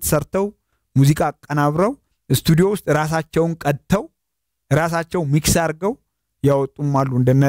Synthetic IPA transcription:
t̪ʰə̥səɾt̪ʰəw | muzikʼakʼːənaβɾəw | ɨst̪ʰud̪ijo̞wʊst̪ʼɾas̬at͡ʃːɛwnkʼət̪ʰːəw | ɾasat͡ʃːɛwmiksaɾɡəw | jawɔt̪ʼːumːalːuɨnd̪ənːə

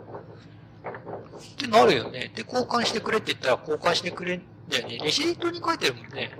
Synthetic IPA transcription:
t̪e̞naɾɯ̟jo̞̰ne̞d̪̥e̞ko̞ːkãɰ̃ɕi̥t̪e̞kɯ̟ɾe̞t̪ːei̟t̪ːaɾako̞ːkãɰ̃ɕi̥t̪ekɯ̟ɾe̞n | nd̪ajo̞ne̞ɾʲiɕiɾʲit̪ːo̞ɲ̟ikait̪e̞ɾɯ̟mõ̞nːe̞

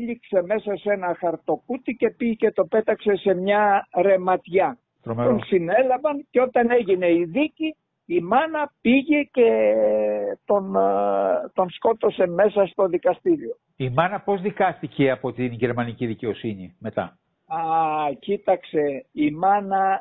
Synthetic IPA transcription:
ʎikse̞me̞sɐse̞nɐxɐɾt̪o̞kut̪ice̞piʝice̞t̪o̞pe̞t̪ɐkse̞se̞mɲɐɾe̞mɐt̪ʝɐ | t̪ɾomet̪onsine̞lɐvɐnceo̞t̪ɐne̞ʝine̞iðiciː | mɐnɐpiʝece̞ | t̪o̞n | t̪o̞nsko̞t̪o̞se̞me̞sɐst̪o̞ðikɐst̪iɾio̞ | imɐnɐpo̞zðikɐst̪iceɐpo̞t̪inʝeɾmɐniciðice̞o̞siɲime̞t̪ɐ̰ | ɐcit̪ɐkse̞imɐnɐ

